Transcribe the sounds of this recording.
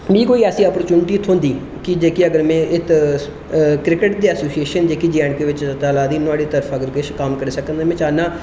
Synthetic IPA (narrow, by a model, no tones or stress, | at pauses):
mĩːkoːiːɛːsĩːəːpəɾt͡ʃuːnʈiːt̪ʰõːnd̪iː | kɪd͡ʒeːkiːəɡəɾmɛ̃ːʔɪt̪ | kɾɪkəʈd̪eːɛsoːsieːʃənd͡ʒeːkid͡ʒɛːɳkeːʋɪt͡ʃt̪aːlaːd̪iːnʊaːɽiːt̪əɾpʰəɡəɾkɪʃkaːmkəɾeːsəkənd̪aːmɛ̃ːt͡ʃaːnaː